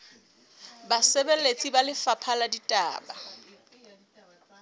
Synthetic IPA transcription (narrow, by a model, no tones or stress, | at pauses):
basebelet͡sʼibalɪfapʰaladitʼa̰ːba